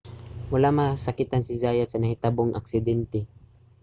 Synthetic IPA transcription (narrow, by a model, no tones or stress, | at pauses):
mʊlamasakɪt̪ansizajasanaɦit̪abʊŋʔa̰ksɪd̪ɛnt̪ɛ